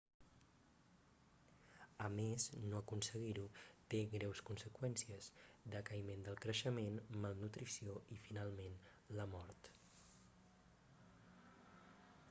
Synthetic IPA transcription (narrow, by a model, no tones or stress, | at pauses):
əmeznoəkunsəɣiɾut̪eɣɾɛwskunsəkwɛnsiəzd̪əkəimend̪əlˠkɾəʃəmenməlˠnut̪ɾisioifinalˠmen | ləmɔɾt̪